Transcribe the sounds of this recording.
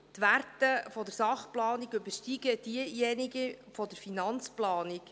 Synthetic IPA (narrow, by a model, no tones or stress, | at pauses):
t̪ʋærtəfɔdəɾsɑχplɑːniɡɵbəɾʃtiɡəd̥̪iəjɛniɡəfɔd̪əɾfinɑnt͡splɑːnik